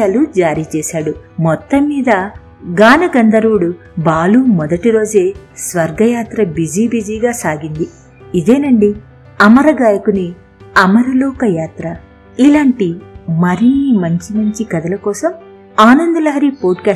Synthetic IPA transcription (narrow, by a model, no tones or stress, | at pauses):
aːlud͡ʒaːɾiːt͡ʃɛːʃaːɽu | mɔt̪ːɐmːiːd̪ɐ | ɡaːnɐɡɐnd̪ɐɾuːɽu | baːluːmɔd̪ɐʈiɾo̞ːd͡ʒeːsʋɐɾɡɐjaːt̪ɾɐbid͡ʒiːbid͡ʒiːɡaːsaːɡind̪i | id̪eːnɐɳɖi | ɐmɐɾɐɡaːjɐkuni | ɐmɐɾɐlɔːkɐjaːt̪ɾɐ | ilaːɳʈimɐɾiːmɐɲt͡ʃimɐɲt͡ʃikɐd̪ɐlɐkɔːsɐm | aːnɐnd̪ɐlɐɦɐɾiːpoːʈkaː